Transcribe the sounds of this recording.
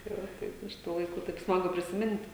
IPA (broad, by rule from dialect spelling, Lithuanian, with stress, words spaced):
tɐɪ ˈʋɐ ˈtɐɪp ɪʃ ˈtuː lˠɐɪˈkuː tɐɪp ˈsmɑːɡʊ pʲrʲɪsʲɪˈmʲɪnʲtʲ